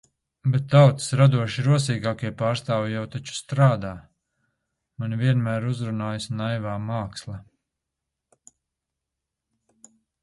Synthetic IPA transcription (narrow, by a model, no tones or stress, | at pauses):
bɛt̪ːawt̪i̥sɾad̪uɔʃiɾuɔsiːɡaːkiɛpaːɾst̪aːvijawt̪at͡ʃu̥st̪ɾaːd̪aː | manvʲiɛnmæːɾuzɾunaːjasnajvaːmaːkslˠɐ